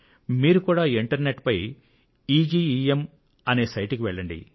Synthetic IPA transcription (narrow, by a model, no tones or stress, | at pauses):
miːɾukuːɽaːiɳʈɐɾneʈpɐj | iːd͡ʒiːiːem | ɐne̞ːsɐjʈikiʋɛɭːɐɳɖḭ